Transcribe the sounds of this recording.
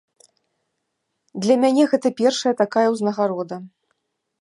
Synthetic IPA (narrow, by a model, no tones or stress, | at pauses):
d̪lʲɐmʲanʲɛɣɛt̪ɐpʲɛrʂɐjɐt̪akajɐwznɐɣaɾɔd̪ɐ